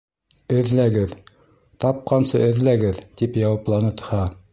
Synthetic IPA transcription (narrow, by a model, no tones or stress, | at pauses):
ɘ̆ðlæɡɘð | t̪ɑp̚qɑnsɤɘ̆ðlæɡɘðt̪ipjɑwɑplˠɑnɤt̪ɤ̥̆hɑ